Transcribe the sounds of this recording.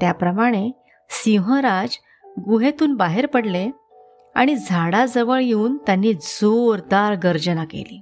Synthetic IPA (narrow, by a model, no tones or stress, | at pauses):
t̪japɾəmaɽ̃e | siɦə̃ɾad͡ʑ | ɡuɦet̪uːnbaɦeɾpəɽle | a̰ɽ̃id͡zʱaɽad͡zəʋəɭjeuːnt̪janːiːd͡zoɾd̪aɾɡəɾd͡ʑənakḛlḭː